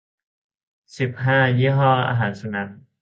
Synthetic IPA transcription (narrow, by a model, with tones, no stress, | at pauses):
si˨˩p̚ɦaː˥˩jiː˥˩ɦɔː˥˩ʔa̰ː˧ɦaː˩˦nsu˨˩na˦˥n̚